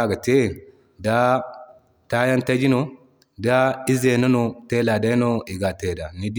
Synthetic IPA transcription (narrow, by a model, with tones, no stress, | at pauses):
a˦ɡa˨te˦˨ | da˦ | ta˦ja˦nta˦d͡ʒi˦no˨ | da˦i˦ze˨no˦no˨te˦la˨da˦i˦no˦i˨ɡa˨te˨da˨ni˨d